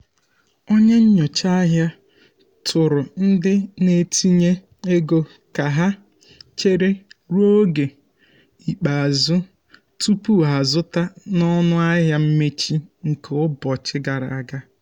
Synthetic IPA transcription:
o˦ɲe˦ɲ̩˦ɲɔ˨t͡ʃa˦ɦja˦ | tʰʊ˨ɾʊ˨n̩˦dɪ˦ne˨tʰi˦ɲe˦ | e˦ɡo˦ | ka˨ɦa˦ | t͡ʃe˦ɾe˦ɾo˦ɡe˨ | i˨k͡pa˨a˨zʊ˦ | tu˦pu˦ɦa˨zʊ˦ta˦nɔ˦nʊ˦a˦ɦja˦m̩˦me˦t͡ʃi˦ŋ̩˨ke˨ʊ˦bɔ˨t͡ʃɪ˦ɡa˨ɾa̰˨a˨ɡa˦

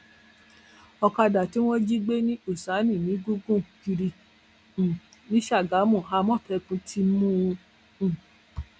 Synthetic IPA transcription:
ɔ˧ka˧da˨ti˦w̃ɔ̃˦d͡ʒi˦ɡ͡be˦nĩ˦o˦˨sa˨˦nĩ˦˨nĩ˨˦ɡu˦ɡũ˦˨ki˧ɾĩ˧˨ | nĩ˦ʃa˦˨ɡa˨˦mũ˦˨a˧˦mɔ̃˦˨fɛ˧˦kũ˨˦tʰi˧˦mũ˦˧˨

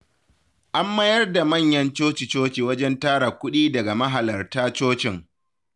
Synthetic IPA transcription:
ʔa˦mːɐ˦jɐ˦rda˨mɐ˦˨ɲjɐ˦nt͡ʃoː˦t͡ʃɪ˨t͡ʃoː˦t͡ʃiː˨wɐ˦d͡ʒɛ˦ntaː˦ɽa˨kʷʊ˦ɗiː˦dɐ˨ɡa˨mɐ˦ɦa˨lɐ˨rtaː˦t͡ʃoː˦t͡ʃɪ˨ŋ

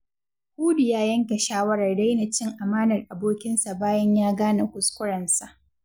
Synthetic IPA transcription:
kʷuː˦dʊ˨jaː˦jɐ˦ŋka˨ʃaː˦wɐ˦ɾɐ˨rːa˦jna˨t͡ʃɪ˦ŋʔa˨maː˦nɐ˨rʔa˨boː˦kʲɪ˦nsa˨baː˦jɐ˦ɲjaː˦ɡaː˦na˨kʷʊ˨skʷʊ˦ɽɐ˨nsa˨ʔ

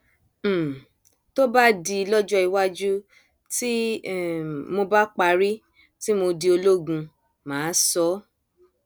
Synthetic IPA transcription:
to˦ba˦di˧lɔ˦d͡ʒɔ˦i˧wa˦d͡ʒu˦ | ti˦ | mo˧ba˦k͡pa˧˦ɾi˦ | ti˦mo˧di˧o˧lo˦ɡũ˧ | mãː˨˦sɔ˨˦

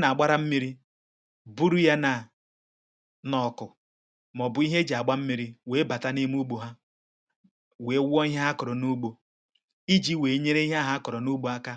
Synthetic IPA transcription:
na˨a˨ɡ͡ba˦ɾa˦m̩˦mi˦ɾi˦ | bu˦ɾu˦ja˦na˨ | nɔ˨kʊ˨ | mɔ˨bʊ˦i˦ɦe˦d͡ʒi˨a˨ɡ͡ba˦m̩˦mi˦ɾi˦we˨˦ba˨ta˦ni˦m˦u˦ɡ͡bo˨ɦa˦ | we˨˦wʷɔ˦i˦ɦa˦ɦa˦kʊ˨ɾɔ˨nu˦ɡ͡bo˨ | i˦d͡ʒi˦we˨˦ɲe˦ɾe˦i˦ɦa˦ɦa˦kʊ˨ɾɔ˨nu˦ɡ͡bo˨a˦ka˦

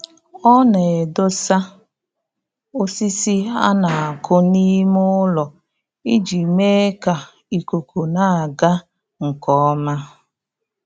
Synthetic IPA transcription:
ɔ˦ne˨e˨do˦sa˦ | o˦si˦si˦a̰˦na˨a˨kʰʊ˦ni˦mʊ˦lɔ˨ | i˦d͡ʒi˨me˦ka˨ | i˨ko˨ko˨na˨a˨ɡa˦ | ŋ̩˨kɔ˦ma˦

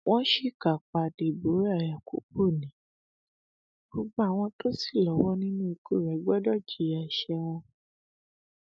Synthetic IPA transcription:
w̃ʔɔ̃˦ʃi˦˨ka˨k͡pa˨di˨bo˨˦ɾja˨ku˨˦k͡pu˦˨nĩ˨˦ | bo˧ɡ͡bɔ̃˧˦a˨w̃ɔ̃˧to˦si˦˨lɔ˨˦wɔ˦nĩ˦nũ˦i˧ku˦˨ɾɛ˨˦ɡ͡bɛ˦dɔ˦˨d͡ʒi˨˦a˨ʃɛ˧w̃ɔ̃˧

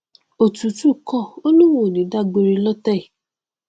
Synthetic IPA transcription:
o˨tu˨˦tu˦˨kɔ˦˨o˦nũ˦wo˦˨nĩ˨˦da˦˨ɡ͡bo˧ɾi˧lɔ˦tɛ˦i˨

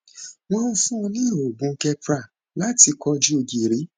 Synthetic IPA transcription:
w̃ɔ̃˦n̩˦fũ˦ɔ̃˧nĩ˦˨o˨ɡ͡bũ˨˧˦kɛ˧pɾa˦˨ | la˦ti˧kɔ˧d͡ʒi˦o˧ɡi˨ɾi˨˦

